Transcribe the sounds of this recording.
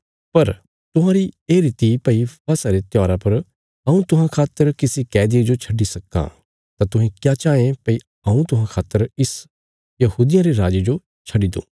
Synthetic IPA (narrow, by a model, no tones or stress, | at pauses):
pɐɾ | t̪ʊɦãːɾieːɾɪt̪ipɐipasaɾet̪jɔːɾapɐɾ | ɐũt̪ʊɦãkʰaːt̪ːəɾkɪsikɛːd̪ied͡ʒot͡ʃʰɐɖisɐkːã̰ː | t̪at̪ʊɦẽkjaːt͡ʃaːẽpɐi | ɐũt̪ʊɦãkʰaːt̪ːəɾɪs | jɐhuːd̪ɪjãɾeɾaːd͡ʒed͡ʒo | t͡ʃʰɐɖid̪o̰ː